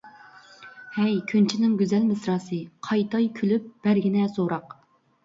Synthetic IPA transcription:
hɛjkʲʰynt͡ʃʰinɪŋɡʲyzɛlmɪsɾɑːsɨqʰɑjt̪ʰɑjkʲʰylyp̚b̥æɾɡʲinɛsoɾɑq

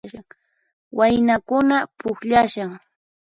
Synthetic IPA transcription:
aŋ | wajnakʊnapʊkʎaʃaŋ

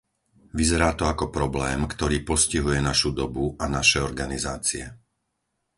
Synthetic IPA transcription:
ʋizɛɾaːt̪ɔakɔpɾɔblɛːmkt̪ɔɾiːpɔsciɦujɛnaʃud̪ɔbuanaʃɛɔɾɡanizaːt͡siɛ

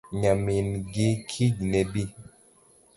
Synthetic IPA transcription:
ɲaminɡikʰiɟnɛbi

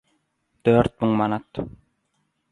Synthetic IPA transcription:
t̪ʰøɾt̪̚mɨŋmanat̪

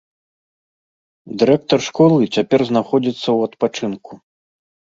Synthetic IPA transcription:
d̪ɨɾɛk̚t̪ɔrʂkɔlˠɨt͡sʲapʲɛrznaxɔd͡zʲit̪sːɐwɐt̪pat͡ʂɨnku

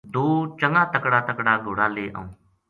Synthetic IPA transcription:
d̪oːt͡ʃəŋaːt̪əkɽaːt̪əkɽaːɡoːɽaːleːʔə̰ũː

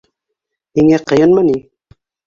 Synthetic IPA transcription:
niŋæqɤ̆jɤnmæni

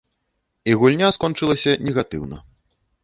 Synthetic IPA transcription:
iɣulʲnʲaskɔnt͡ʂɨlˠɐsʲɐnʲɛɣat̪ɨ̰wnɐ̰

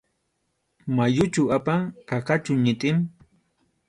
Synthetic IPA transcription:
majʊt͡ʃʊapakaqat͡ʃʊɲɪt̪ʼɪm

